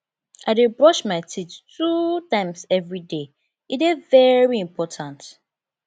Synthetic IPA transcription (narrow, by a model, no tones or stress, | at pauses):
ʔaɪdɪbɹɔʃmaɪtʰittutãɪ̃msɛvɹide | idɛvɛɹiĩmpʰɔtʰãnt